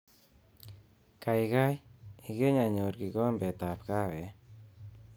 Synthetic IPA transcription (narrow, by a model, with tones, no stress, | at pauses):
kajka˦jiɡe˦ɲa˨ɲo˨ɾɡi˨kɔ˦mbɛ˨t̪a˨pka˦wɛ˨˦